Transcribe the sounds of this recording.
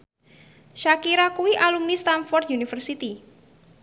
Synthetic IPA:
ʃakiɾakuwiʔalumnist̪anfɔrt̪junifərsit̪i

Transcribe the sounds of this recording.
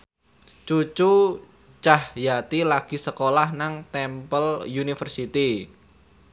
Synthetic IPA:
t͡ʃut͡ʃu | t͡ʃahjat̪ilaɡ̥i̤səkolahnaŋt̪ɛmpəljunifərsit̪i

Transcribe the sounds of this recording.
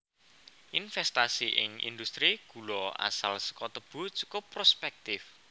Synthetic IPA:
ʔinfɛst̪asiʔɪ̰ŋḭnd̪ust̪ɾiɡ̥ṳlɔa̰salsə̥kɔt̪əb̥ʊ̤d͡ʒu̥kopɾospɛk̚t̪ɪf

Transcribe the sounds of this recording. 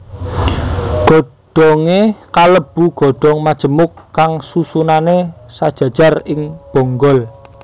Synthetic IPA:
ɡ̥ɔ̤ɖ̥ɔŋekaləb̥ṳɡ̥ɔ̤ɖ̥ɔŋmad̥ʒ̥ə̤mʊkːaŋsusunanesad̥ʒ̥ä̤d̥ʒ̥a̤rɪŋb̥ɔ̤ŋɡɔl

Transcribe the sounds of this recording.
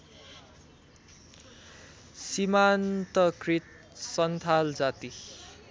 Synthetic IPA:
simant̪ʌkrit̪̚ | sʌnt̪ʰald͡zat̪i

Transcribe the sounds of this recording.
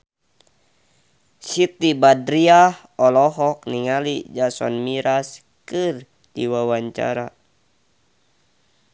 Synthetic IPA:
sit̪ibadɾiah | ɔlɔɦɔk̚niŋalid͡ʒasɔ̰nmiɾas | kɨr | d̥iwawaɲt͡ʃa̰ɾa

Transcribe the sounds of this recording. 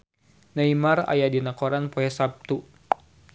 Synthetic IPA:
naimara̰jadinakoɾanpoɛsap̚t̪u

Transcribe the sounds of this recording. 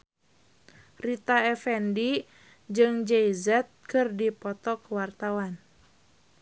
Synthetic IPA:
rit̪aɛfɛndi | d͡ʒɨŋd͡ʒɛizɛt̪̚kɨrdipɔt̪ɔkəwart̪awan

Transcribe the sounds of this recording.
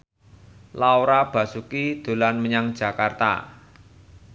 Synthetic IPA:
laoɾab̥ä̤sukid̪̥o̤lanməɲaŋd̥d͡ʒ̥ä̤kart̪a̰

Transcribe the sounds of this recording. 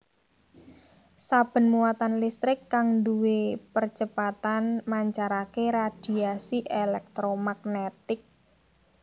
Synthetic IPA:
sab̥ə̤nmuwat̪anlist̪ɾɪkːaŋnd̪uwepərt͡ʃəpat̪anmaɲt͡ʃaɾakeɾad̪̥i̤asiʔelɛk̚t̪ɾomaɡ̚net̪ɪk̚

